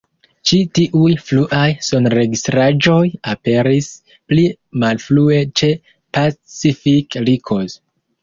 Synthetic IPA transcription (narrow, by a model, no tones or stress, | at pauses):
t͡ʃitiʔujfluʔajso̞nɾe̞ɡistɾad͡ʒo̞jape̞ɾis | pli | malflue̞t͡ʃe̞ | pat͡sifiklikʰoz